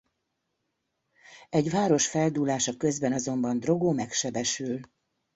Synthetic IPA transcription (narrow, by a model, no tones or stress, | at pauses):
ɛɟvaːɾo̞ʃfɛld̪uːlaːʃɒkø̞zbɛnɒzo̞mbɒnd̪ro̞ɡoːmɛkʃɛbɛʃyl